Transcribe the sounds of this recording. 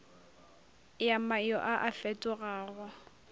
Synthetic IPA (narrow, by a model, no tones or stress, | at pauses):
jamajɔ̰ʔaʔafɛtʼʊɣaːɣwa